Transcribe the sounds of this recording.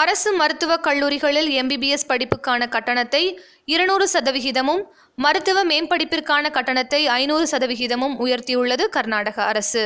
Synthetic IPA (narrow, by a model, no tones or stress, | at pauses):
ɐɾɐsɯmɐɾɯt̪ːɯʋɐkɐɭːuːɾɪɣɐɭɪlɛmbibiɛspɐɽɪpːɯkːaːnɐkɐʈːɐɳɐt̪ːɐɪ | ɪɾɐɳuːɾɯsɐðɐʋɪɣɪðɐmɯmː | ɐɾɯt̪ːɯʋɐmeːmpɐɽɪpːɪrkaːnɐkɐʈːɐɳɐt̪ːɐɪɐɪnuːɾɯsɐðɐʋɪɣɪðɐmɯmʊjɐɾt̪ijɯɭːɐðɯkɐɾnaːɽɐɣɐɐɾɐsɯ